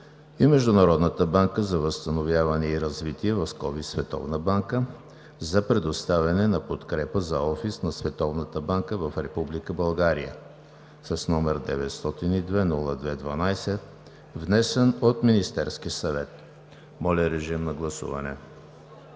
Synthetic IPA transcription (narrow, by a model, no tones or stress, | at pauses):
imɛʒd̪ʊnɐɾɔd̪nət̪əbaŋkəzɐvəst̪ɐnovʲjavɐnɛiɾɐzvit̪iɛvɐfskɔvisvɛt̪ɔ̰vnəbaŋkə | zɐpɾɛd̪ost̪avʲɐnɛnɐpot̪kɾɛpəzɐɔfisnɐsvɛt̪ɔvnət̪əbaŋkəvɐfɾɛpublikəbɐlˠɡaɾijə̰ | sɐsnɔmɛɾd̪ɛ̰vɛt̪st̪ɔt̪inid̪vɛnulˠəd̪vɛd̪vɐnajsɛ | vnɛsɛnot̪minist̪ɛɾskiəsɐvɛt̪̚ | mɔlʲəɾɛʒimnɐɡlˠɐsṵvɐ̰nɛ̰